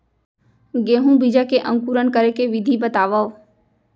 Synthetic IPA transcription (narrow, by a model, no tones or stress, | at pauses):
ɡeːɦũːbid͡ʒakeʔə̃ŋkuːɾənkəɾekeʋɪd̪ʱibət̪aːʋəʋ